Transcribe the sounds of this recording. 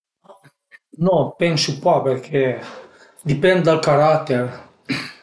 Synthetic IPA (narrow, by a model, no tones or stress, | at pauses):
nɔpɛnsupapeɾkʰɛ | d̪ipɛnd̪d̪alkaɾat̪ːeɾ